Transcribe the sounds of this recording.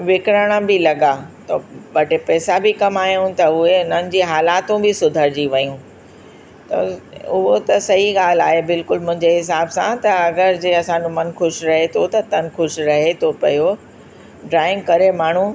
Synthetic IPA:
ʋɪkɾəɽ̃əbɪlɐɡat̪ɐbɐʈepɛːsabɪkɐmaːjũt̪ɐʊɦeʊn̤ənɪ̆d͡ʑiːɦaːlaːt̪ũbɪsʊd̪ʱəɾd͡ʑiʋɐjũ | t̪ɐ̰ʊɦot̪ɐsɐɦiɠaːl̤aːɦebɪlkʊlmʊ̃ɦɪ̃ɲd͡ʑeɦɪs̬aːbsãt̪ɐɐɡəɾd͡ʑeːɐsãɲd͡ʑõmɐnxʊʃɾɐɦet̪ʰot̪ɐt̪ɐnxʊʃɾɐɦet̪ʰopɐ̰jo | ɖɾaːɪ̃ŋɡkɐɾemaːɳ̤ũ

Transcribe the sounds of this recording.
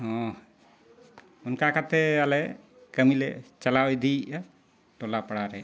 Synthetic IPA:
ɦɔ̃ | unkakat̪ʰɛalɛ | kəmilɛt͡ʃalawɛd̪iʔa | ʈɔlapaɽaɾɛ

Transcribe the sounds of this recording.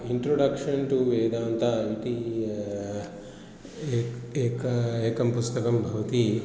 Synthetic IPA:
iɳʈɾoɖɐkʂɐnʈuʋeːd̪aːnt̪aːiʈ̪i | kɐeːkɐmpust̪ɐkɐmbʱɐʋɐt̪i

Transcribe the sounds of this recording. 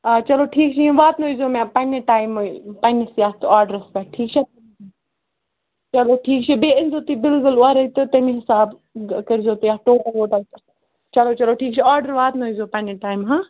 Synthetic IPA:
t͡ʃɐloːʈʰiːk̚t͡ʃʰiĩʋaːt̪noizoːmãpɐneʈaːɪmoipɐnesijaːt̪aːɾɖəɾɐspɛʈʰiːk̚t͡ʃʰat̪ | t͡ʃɐloːʈʰiːkt͡ʃʰibeːɪnzoːt̪ibɪlkʊlʊaːɾɐit̪ɨt̪ɐmĩɦɪsaːb | kɐɾzoːt̪ijaːʈoːkaʋoːʈɐ | t͡ʃɐloːt͡ʃɐloːʈʰiːk̚t͡ʃʰiaːɾɖəɾʋaːt̪noizoːpɐneʈaːimɦãː

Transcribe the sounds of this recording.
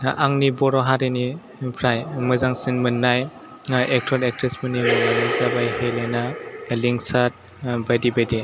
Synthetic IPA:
aŋnibɔɾɔɦaɾeni | pʰɾajmɯzaŋsinmɯnːaj | ek̚tʰɔlek̚tɾesmɯnimɯnanizabajhelenaliŋsat̚ | bajdibadi

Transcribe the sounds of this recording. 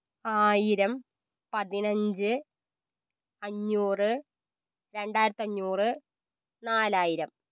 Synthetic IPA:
aːjiɾɐm | pɐðinɐɲd͡ʑɨ | ɐɲːuːrɨ | ɾe̞ɳɖaːjɾɐt̪ːɨɐɲːuːrɨ | naːlaːjiɾɐm

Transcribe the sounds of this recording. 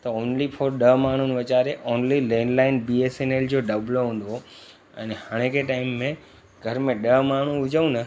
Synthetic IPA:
t̪ɐoːnlifʰoːɾɗɐɦmaːɳ̤unɪ̆ʋɐt͡ɕaːɾeʔoːnlilɛ̃ːnlaːɪnbiːeːseneːld͡ʑoːɖɐbloɦũːn̆d̪o | ɛ̰̃ːnhaːɽ̃ẽkʰeʈaːɪmːẽ | ɡʱɐɾmẽɗɐɦmaːɳ̤ũʊd͡ʑəũnɐ

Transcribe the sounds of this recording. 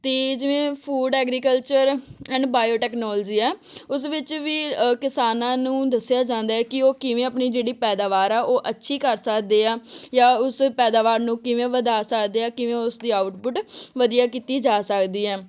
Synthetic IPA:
t̪eːd͡ʒɪʋẽːpʰuːɖɛːɡɾiːkəlt͡ʃəɾɛ̃ːɳɖbaːjoːʈɛːknɔːld͡ʒiːɛːʊs̬ʋɪt͡ʃʋiːkɪsaːnãːnũːd̪əsːɪjaːd͡ʒãːnd̪aːɛːkɪoːkɪʋẽːəpɳiːd͡ʒeːɽiːpɛːd̪aːʋaːɾɛːʔoːʔətːʃʰiːkəɾsəkd̪eːaːjaːʊspɛːd̪aːʋaːɾnũːkɪʋẽːʋəd̪aːsəkd̪eːaːkɪʋẽːʊsd̪iːaːʊʈpʊʈʋəd̪ijaːkiːt̪iːd͡ʒaːsəkd̪iːɛː

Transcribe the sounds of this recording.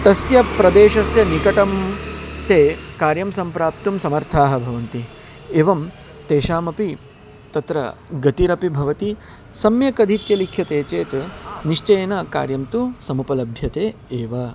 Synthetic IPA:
t̪ɐsjɐpɾɐd̪eːʃɐsjɐnikɐʈɐmt̪eːkaːɾjɐmsɐmpɾaːp̚t̪umsɐmɐɾt̪ʰaːɦɐ̆bʱɐʋɐnt̪i | eːʋɐm | t̪eːʃaːmɐpi | t̪ɐt̪ɾɐ̰ɡɐt̪iɾɐpibʱɐʋɐt̪i | sɐmjɐkɐd̪ʱit̪jɐlikʰjɐt̪eːt͡ʃeːt̪niʂt͡ʃɐjɐnɐka̰ːɾjɐmt̪usɐmupɐlɐbʱjɐt̪eːeːʋɐ

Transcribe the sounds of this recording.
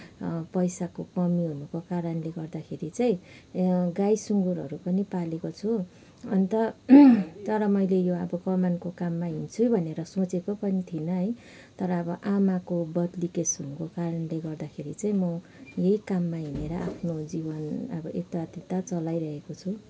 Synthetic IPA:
pʌjsakokʌmiɦunukokaɾʌnleɡʌrd̪akʰeɾit͡saĩ | ɡajsuŋɡuɾʌ̰ɾupʌnipalekot͡sʰu | ʌnit̪ʌ | t̪ʌɾʌmʌjlejoʌbʌkʌmankokamːaɦint͡sʰubʱʌneɾʌsõt͡sekopʌnit̪ʰinʌɦʌj | t̪ʌɾʌːbʌʔamakobʌd̪likesɦunukokaɾʌnleɡʌrd̪akʰeɾit͡saĩmʌ | jejkamːaɦineɾʌʔa̰pʰnod͡zibʌnʌ̰bʌʔek̚t̪aad̪it̪at͡sʌlajɾʌɦekot͡sʰu

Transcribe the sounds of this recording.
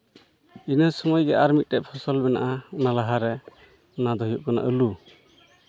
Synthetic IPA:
inəsɔmɔjɡɛʔaɾmit̪̚tɛʔ̚pʰɔsɔlbɛna̰ʔanalaɦaɾɛ | nad̪ʱɔɦijɔʔkana̰ʔəlu

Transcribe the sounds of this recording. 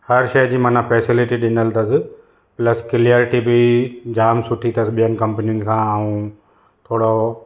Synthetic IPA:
hɐɾʃɐjd͡ʑiːmɐnãfɛːsɪlɪʈiɗɪnəlt̪ɐsɪ̆ | plɐskɪliəɾʈibid͡ʑaːmsʊʈʰit̪ʰɐsɪɓijənɪ̆kɐ̃mpnijʊnɪ̆kʰãːaũ | t̪ʰoːɽo

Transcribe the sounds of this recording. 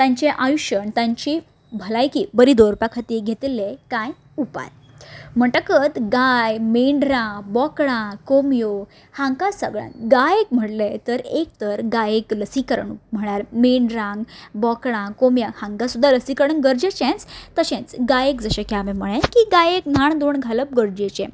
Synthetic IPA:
t̪ãɲt͡ɕeʔajuɕəɳt̪ãɲt͡ɕi | bʱəlajkiːbəɾiːd̪oɾpakʰat̪iɡʱet̪lekaj | upa̰j | m̤əʈəkət̪ɡajmeɳɾãŋɡbɔkɽãkomjo | hãŋkasəɡɭjã̰nɡajekm̤əʈlet̪əɾek̚t̪əɾɡajekləsikəɾəɳum̤əɽ̃aɾmeɳɖɾãŋɡbɔkɽ̃ãkomjahãŋɡasud̪ʱːaləsikəɾɳənɡəɾd͡ʑet͡ɕẽnt͡st̪əɕẽt͡sɡajekd͡zəɕẽkamẽm̤əɭẽkiɡajekn̤aɳd̪oɳɡʱaləp̚ɡəɾd͡ʑet͡ɕḛ̃

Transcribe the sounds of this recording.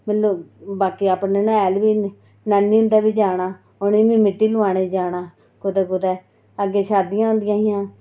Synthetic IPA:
mɪlobaːkiːaːpneːnãːɛːlʋiː | naːnːĩːʊnd̪ɛːbiːd͡ʒaːnaː | ʊnĩːbĩːmɪʈːiːlʊãːɽ̃eːd͡ʒaːnaː | kʊd̪ɛːkʊd̪ɛː | əɡeːʃaːd̪ɪjãːɦʊ̃ːnd̪ɪjãːɦɪjãː

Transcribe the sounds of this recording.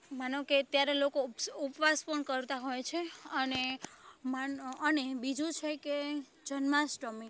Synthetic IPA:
manõket̪jaɾelokoupʋaspəɳkəɾt̪aɦojt͡ʃʰeənemaənebid͡ʒũt͡ʃʰeke | d͡ʒʱənmãsʈomi

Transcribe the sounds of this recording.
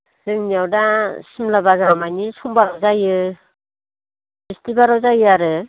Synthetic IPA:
z̥ɯŋnijawdasimlabazamajnisumbaɾawzajɯ | bistibaɾawzajɯaɾɯ

